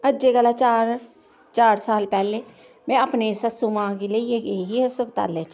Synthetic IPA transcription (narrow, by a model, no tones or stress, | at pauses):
əd͡ʒeɡəlat͡ʃaːɾ | t͡ʃaːɾsaːlpɛːleː | mɛ̃ːəpneːsəsumãːkeleːjeɡeːɦiɦɛsəbt̪a̰ːleːt͡ʃ